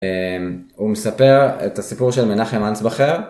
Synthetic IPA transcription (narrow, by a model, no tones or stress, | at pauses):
em | umesapeʁḛtasipuʁʃelmenaχemansbaχeʁ